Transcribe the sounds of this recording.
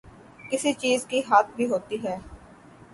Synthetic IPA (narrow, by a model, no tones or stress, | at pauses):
kɪsit͡ʃiːzkiɦaːt̪̚ʰbʱiɦoːt̪iːɦɛː